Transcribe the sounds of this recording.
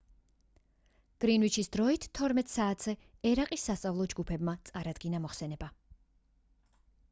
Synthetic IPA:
ɡ̥ɾinvit͡ʃʰisd̪ɾɔit̪ʰt̪ʰːɔɾmɛt̪ʼsaːt̪ʰz̥ɛ | ɛɾaqʼisːast̪sʼavlˠɔd͡ʒɡupʰɛbmat̪sʼaɾad̪̥ɡinamɔχsɛnɛba

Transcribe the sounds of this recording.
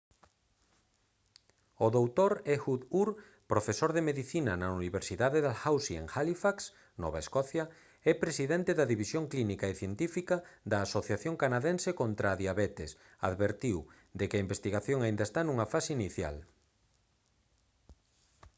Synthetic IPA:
oðowt̪oɾɛxuðuɾ | pɾofesoɾðemeðiθinɐnɐuniβeɾsiðaðeðalxawsiḛŋxalifaks | nɔ̰βaeskɔθjɐ | ɛpɾesiðɛnt̪ɪðɐðiβisjoŋklinikaeθjent̪ifikɐðɐːsoθjaθjoŋkanaðensekont̪ɾaːðjaβɛt̪es | a̰ðβeɾt̪iw | d̪ekeɐimbest̪iɣaθjoŋaind̪ɐest̪anuŋɐfaseiniθja̰l

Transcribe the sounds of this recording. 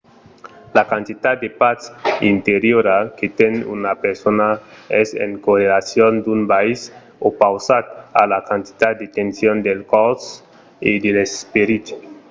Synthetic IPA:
lakant̪it̪at̪̚d̪epasint̪eɾjoɾaket̪enṵnapeɾsonaɛsḛŋkorelasjond̪unbais | opawsat̪alakant̪i̥t̪at̪d̪et̪ensjond̪elkɔs | ed̪elespeɾit̪

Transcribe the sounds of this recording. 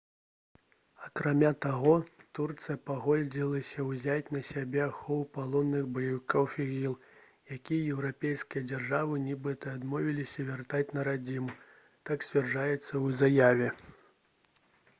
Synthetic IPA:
ɐkɾamʲat̪aɣɔt̪urt̪sɨjɐpaɣɔlʲd͡zʲilˠɐsʲɐwzʲat͡sʲnɐsʲabʲɛxɔwpalˠɔnːɨɣbɐjɐvɨkɔwfʲiɣʲilˠ | jakʲijɐjɛwɾapʲejskʲijɐd͡zʲarʐavɨnʲibɨt̪ɐːd̪mɔvʲilʲisʲɐvʲart̪at͡sʲnɐɾad͡zʲimu | t̪aksʲvʲarʐajɛt̪sːɐwzajavʲɛ

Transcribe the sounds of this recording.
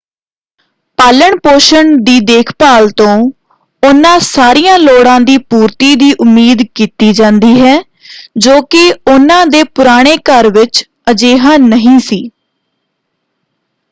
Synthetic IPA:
paːləɳpoːʃəɳd̪iːd̪eːkʰpaːlt̪õː | ʊnãːsaːɾiːjãːloːɽãːd̪iːpuːɾt̪iːd̪iːʔʊmːiːd̪kiːt̪iːd͡ʒãːnd̪iːɦɛː | d͡ʒoːkɪʊnãːd̪eːpʊɾaːɽ̃eːkəɾʋɪt͡ʃ | əd͡ʒeːɦãːnəɦĩːsiː

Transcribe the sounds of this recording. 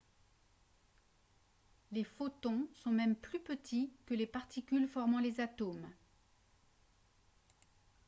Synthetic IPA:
lefot̪ɔ̃sɔ̃mɛmplypət̪ʰikəlepaʁt̪ikʲylfɔʁmɑ̃lezat̪om

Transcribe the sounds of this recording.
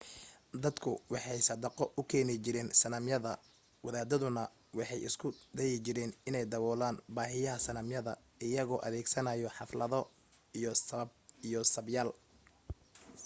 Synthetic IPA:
d̪ɐd̪kʰʊwɑħɑjsɐd̪ɐqɔʔʊkʰɛːnɪt͡ʃɪɾɛːnsɐnɐmjɐðɐ | wɑðaːd̪ɐðʊnɐ | wɑħɑjɪ̰skʰʊd̪ɛjɪt͡ʃɪɾɛːnɪnɛjd̪ɐwɔːlaːnbaːɦɪjɐɦɐsɐnɐmjɐðɐ̰ | ɪjɐɣɔːʔɐðɛːɡsɐnɐjɔħɑflɐðɔ | bijɔsɐbjaːl

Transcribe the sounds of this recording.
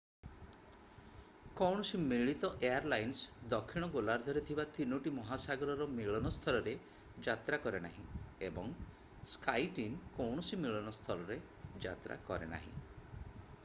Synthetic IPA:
kɔwɳ̃ɔsimiɭit̪ɔʔeaɾlajnsd̪ɔkʰːiɽ̃ɔɡolaɾd̪ʱɔɾet̪ʰibat̪inuʈimɔɦasaɡɔɾɔɾɔmiɭɔnɔst̪ʰɔlɔɾe | d͡ʒat̪ɾakɔɾena̰ɦĩebɔŋ | skajʈinkɔwɳ̃ɔsimiɭɔnɔst̪ʰɔlɔɾe | d͡ʒa̰t̪ɾa̰kɔ̰ɾḛna̰ɦḭ̃

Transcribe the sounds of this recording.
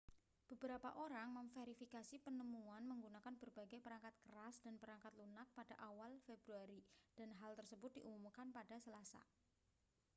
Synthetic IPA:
b̥ə̤b̥əɾapa̰ʔoɾaŋməmfeɾifikasipənəmuanməŋɡunakanb̥ərbaɡajpəɾaŋkat̪̚kəɾasd̥anpəɾaŋkat̪lunak̪̚pad̥aʔawalfebɾuaɾid̥anɦalt̪ərsəbʊt̪̚d̥iʔumumkanpada̤səlasa̰

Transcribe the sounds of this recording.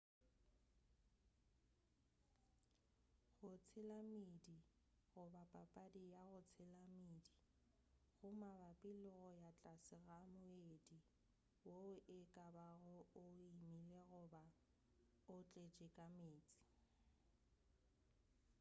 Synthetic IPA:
ɣʊt͡sʰɪlamidi | ɣʊbapʼapʼadijaɣʊt͡sʰɪlamiːdi | ɣʊmabapʼɪlʊɣɔjat͡ɬʼasɪɣamʊedi | woʊʔɪkʼabaɣɔʊimileɣʊba | ʊt͡ɬʼet͡ʃʼɪkʼameːt͡sʼi̥

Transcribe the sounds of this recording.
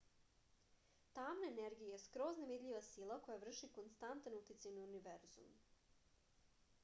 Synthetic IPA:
t̪aːmnaeneɾɡijeeskɾo̞znaʋid̪ʎʲiʋasilˠako̞javr̩ʃikonst̪ant̪anut̪it̪sajnauniʋeɾzṵm

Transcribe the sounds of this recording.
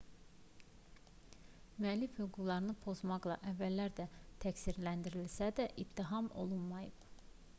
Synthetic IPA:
myælːifhyɡuɡlˠɑɾɯnɯpʰo̞zmɑɡlˠɑ̰ʔævːælːæɾd̪æt̪ʰæcsiɾlænd̪iɾilsæd̪æʔib̚t̪ʰːiɦɑmo̞̰lˠunmɑjɯb̥

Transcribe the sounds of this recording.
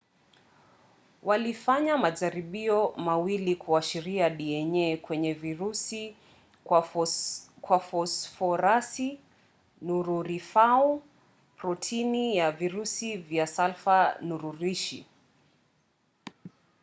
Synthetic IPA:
walifaɲamaʄaɾiɓiɔmawilikʰuaʃiɾiaɗiɛɲɛkwɛɲɛviɾus | kwafɔsfɔɾasi | nuɾuɾifau | pɾɔtʰinijaviɾusivjasalfanuɾuɾiʃḭ

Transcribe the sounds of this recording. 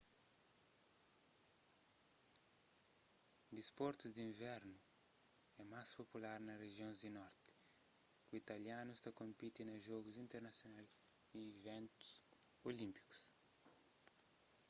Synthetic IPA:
d̪ispɔɾt̪uzd̪iĩɱvɛɾnu | ɛmaspopulaɾnɐreʒjõzd̪inɔɾt̪i̥kuit̪ɐljanust̪akõmpit̪inɐʒɔɡuzĩnt̪eɾnɐsjonajsiːvɛ̃nt̪u̥solĩmpi̥ku̥s

